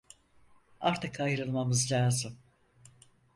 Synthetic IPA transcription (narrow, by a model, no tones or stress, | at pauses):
a̰ɾt̪ʰɯkʰajɾɯlˠmamɯzlʲaːzɯm